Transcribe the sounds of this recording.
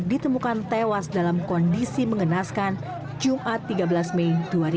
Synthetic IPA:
dit̪əmukant̪ewasdalamkɔndisiməŋənaskan | d͡ʒumʔat̪ːiɡabəlasmejduaɾi

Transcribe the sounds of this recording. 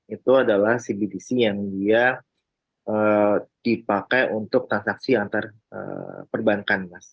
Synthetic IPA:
it̪uadalahsibidisijaŋdia | əd̥ipakajʔunt̪ʊk̚t̪ɾansaksiant̪ar | ə̰pərbaŋkanmas

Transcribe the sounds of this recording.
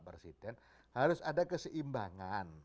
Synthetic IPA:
presidɛn | haɾʊsadakəsəʔimbaŋan

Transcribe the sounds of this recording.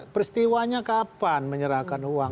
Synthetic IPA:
pəɾist̪iwaɲakapanməɲəɾahkanuwaŋ

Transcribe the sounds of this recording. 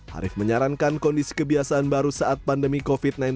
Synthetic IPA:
ha̰ɾɪfməɲaɾaŋkankɔndisi̥kəbiasaʔanbaɾusaʔat̪̚pandəmikofit̪̚nan

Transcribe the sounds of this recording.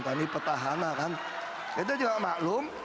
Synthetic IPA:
t̪anipət̪aɦanakan | kadad͡ʒuŋaʔmaʔlʊm

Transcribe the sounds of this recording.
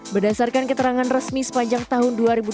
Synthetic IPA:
bərdasarkankət̪əɾaŋanrəsmisə̥paɲd͡ʒaŋt̪aɦʊnduaɾibu

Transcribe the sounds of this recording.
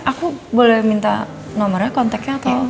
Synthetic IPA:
ʔakubolɛhmint̪a̰ | nɔmərɲakɔnt̪ɛkɲaːt̪aw

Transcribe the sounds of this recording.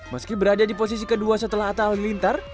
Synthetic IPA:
məskibəɾadadiposisikəduasət̪əlaɦat̪aalilint̪ar

